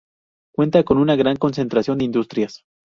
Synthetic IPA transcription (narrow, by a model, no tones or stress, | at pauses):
kwe̞nt̪ako̞nunaɣɾaŋko̞nse̞nt̪ɾasjo̞nd̪eind̪ust̪ɾjas